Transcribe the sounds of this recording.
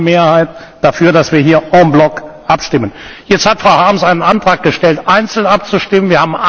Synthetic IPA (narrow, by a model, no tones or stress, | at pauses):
meːɐhaɪt | d̥afyːɐdasv̥iːɐɦiːɐɔmblɔkʔapʃtɪmənjɛt͡sthatfʁ̥aʊhaɐmsaɪnənantʁ̥aːk̚ɡ̥əʃtɛltʔaɪnt͡sl̩nap̚t͡suʃtɪmənviːɐhaːbm̩